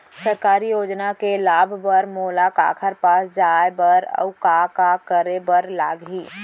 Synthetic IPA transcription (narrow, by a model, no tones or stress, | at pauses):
səɾkaːɾijoːd͡ʒnakelaːbʱbəɾmoːlaka̰ːkʰəɾpaːsd͡ʒaːebəɾɐ̰ʊkaːkakəɾebəɾlaːɡɦiː